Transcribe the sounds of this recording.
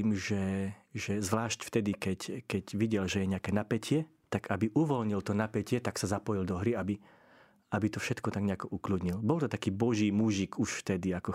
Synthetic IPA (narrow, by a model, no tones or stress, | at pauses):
imʒɛʒɛzʋlaːʃcft̪ɛd̪ikɛckɛɟʋiɟɛlʒɛjɛɲɛakɛːnapɛcʰɪɛt̪aɡabiʔuʋɔlɲilt̪ɔnapɛcɪɛt̪aksazapɔjild̪ɔɦɾiabi | abit̪ɔfʃɛt̪kɔt̪aɡɲɛakɔʔuklud̪ɲilbɔlt̪ɔt̪akiːbɔʒiːmuʒikuʃft̪ɛd̪iakɔ